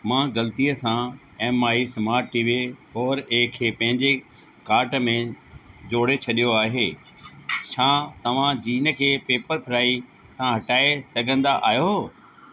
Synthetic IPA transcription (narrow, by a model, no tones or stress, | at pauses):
mãːɣɐlt̪ijəsã | ɛːmaːisɐmaːɾʈːiːʋiɦɔːɾeːkʰːepɐ̃ɦɪ̃ɲd͡ʑe | kaːɾʈmẽd͡ʑoːɽet͡ɕʰɐɗijoaːɦeː | ʃʰãːt̪ɐʋ̤ãd͡ʑiːnə̆kʰeːpeːpəɾpʰɪɾaːisãɦɐʈaːesɐɡʱə̃nd̪aʔaːjo